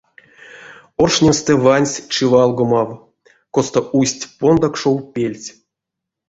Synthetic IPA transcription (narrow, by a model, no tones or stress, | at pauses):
orʂnʲemst̪ɛvanʲsʲt͡ʃivɑlˠɡomɑw | kost̪aʔusʲtʲpond̪akʂowpʲelʲt͡sʲ